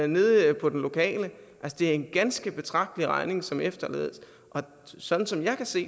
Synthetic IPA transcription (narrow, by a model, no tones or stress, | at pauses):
ne̝ðˠpʰɒ̽d̥enlo̝kʰɛ̰ːlə | ʔælsəd̥e̝æɐe̝nɡ̥ænsɡ̥əb̥e̝t͡sʰʁɑ̈ɡ̥̚d̥əliʁɑ̈ɪne̝ŋsɒ̽mefd̥ɐlḛːð̞ˠəs | ʔɒ̽ | sɒ̽d̥n̩sɒ̽mjɑ̈ɪkʰæse̝̰ː